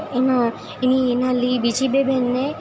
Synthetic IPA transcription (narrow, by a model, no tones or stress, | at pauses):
ona | ininalibid͡ʒibebʱenːe